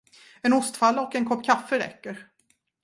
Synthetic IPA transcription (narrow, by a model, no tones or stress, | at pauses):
ɛnʊst̪falːɔkɛnkʰɔpːkʰafːəɾɛ̰kːəɾ